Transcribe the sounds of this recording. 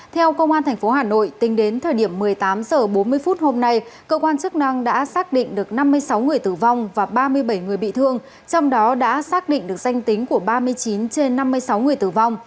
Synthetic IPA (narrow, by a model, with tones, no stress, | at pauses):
t̪ʰɛ˧wkə˧wŋ͡mʔaː˧nt̪ʰɛ˨˩ŋ̟fo˨˦ɦaː˨˩no̰˧˨jt̪ï˨˦ŋ̟ɗe˨˦nt̪ʰəː˨˩jɗi˧˩əmːɨ˨˩əjt̪aː˨˦mzəː˨˩ɓo˨˦nmɨ˧əjfu˦˥t̚ho˧mna˧jkəː˧kwaː˧nt͡ɕɨ˦˥k̚na˧ŋɗa̰ː˧˥saː˦˥k̚ɗḭ˧˨ŋ̟ɗɨ˨˩ək̚na˧mːɨ˧əjsa˨˦wŋɨ˨˩əjt̪ɨ˨˩va˧wŋ͡mvaː˨˩ɓaː˧mɨ˧əjɓə˧˩jŋɨ˨˩əjɓḭ˧˨t̪ʰɨ˧əŋ | t͡ɕɔ˧wŋ͡mɗɔ˨˦ɗa̰ː˧˥saː˦˥k̚ɗḭ˧˨ŋ̟ɗɨ˨˩ək̚za˧jŋ̟t̪ï˨˦ŋ̟ku˧˩əɓaː˧mɨ˧əjt͡ɕi˨˦nt͡ɕe˧nːa˧mːɨ˧əjsa˨˦wŋɨ˨˩əjt̪ɨ˨˩va˧wŋ͡m